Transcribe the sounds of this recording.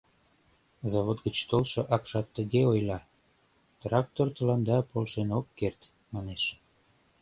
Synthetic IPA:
zɑβot̪ɡət͡ɕt̪olʃŏʔɑkʃɑt̪ːəɣeojlɑ | t̪rɑk̚t̪ort̪ə̆lɑnd̪ɑpolʃenokːert̪ | mɑneʃ

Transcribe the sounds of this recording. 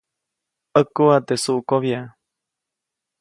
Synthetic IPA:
əkuat̪esuʔkoβia

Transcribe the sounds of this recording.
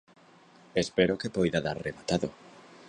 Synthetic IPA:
espeɾokepojðaðaɾreβat̪aðo̰

